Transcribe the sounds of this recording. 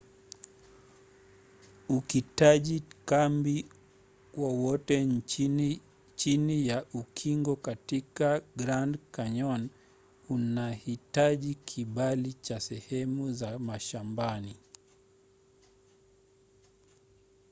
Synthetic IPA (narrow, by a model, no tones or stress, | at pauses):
uhitaʄikambi | wawɔtɛ | t͡ʃinijaʔukʰiŋɡɔkatikaɡɾandkaɲɔn | unahitaʄikʰiɓalit͡ʃasɛhɛmuzamaʃambani